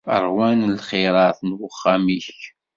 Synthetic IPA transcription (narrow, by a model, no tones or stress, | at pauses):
ə̰ɾˤwænlχɪɾˤɑθnwəχːamiç